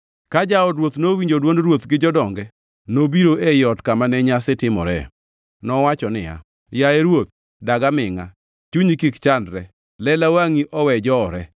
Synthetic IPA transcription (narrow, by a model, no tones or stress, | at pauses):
kad͡ʒaɔdɾwot̪nowiɲd͡ʒodwondrwot̪ɡɪd͡ʒɔdɔŋɡɛ | nobiɾoʔejɔtkamanɛɲasɪtɪmɔɾɛ̰ | nɔwat͡ʃɔnɪ̰a̰ | jaeɾwot̪̚ | daɡamɪŋa̰ | t͡ʃuɲikikt͡ʃandɾɛ | lɛlawaŋiʔʔɔwɛd͡ʒɔɾɛ